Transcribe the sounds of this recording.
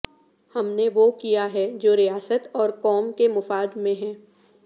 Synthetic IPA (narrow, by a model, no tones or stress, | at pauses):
hɐmneʋokijaɦɛd͡ʒoːɾijaːsət̪ɔːɾkɔːmkemʊfaːd̪mẽɦɛ̃ː